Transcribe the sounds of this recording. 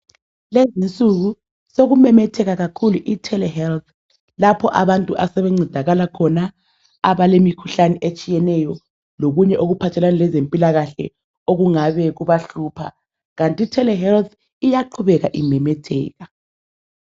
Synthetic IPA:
lezint͡sʼuɣu | soɣumɛmɛtʰɛɣaɣakʰuluʔitʰɛlɛhɛlt̪̚ʰ | lapʰɔʔaβantʼuʔasɛβeŋ͡ǀʱid̥ʱaɣalakʰɔna | aβalemikʰuɬanɛʔet͡ʃʼijɛnɛjɔ | loɣuɲɛʔoɣupʰatʰɛlanalɛzempʼilaɣaɬɛ̰ | oɣuŋaβɛɣuβaɬuːpʰa̰ | ɣantʼitʰɛlɛɦɛlt̪ | ijaǃʰuβɛɣaʔimɛmɛtʰɛ̰ːɣa

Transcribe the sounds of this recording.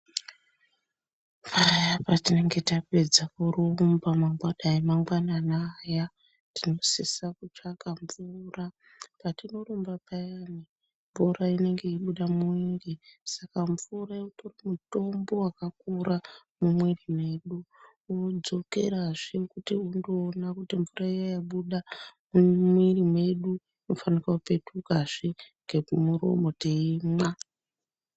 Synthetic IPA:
faɾajapatine̞ŋɡe̞tape̞d͡zakuɾuumbamaŋɡwaɗaimaŋɡwananaːja | tino̞sisakut͡ʂakamvura | patino̞ɾumbapajani | mbuɾaine̞ŋɡe̞iɓuɗamuiŋɡesakaɱvuɾaotoramuto̞mbo̞wakakuɾa | mumwerime̞ɗu | wod͡zo̞ke̞̰ɾaʐekutiundoːnakutiɱvuraijajaɓuɗamumwirime̞ɗu | nofanikaupe̞tʰukaʐ̥iŋɡekumuɾo̞̰mo̞teimwa

